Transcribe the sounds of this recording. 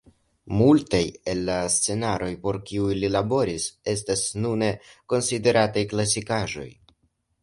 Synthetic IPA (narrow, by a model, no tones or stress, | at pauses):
multaje̞lːast͡se̞naɾo̞jpo̞ɾkiujlilabo̞ɾise̞stasnune̞ko̞nside̞ɾatajklas̬ikaʒo̞̰j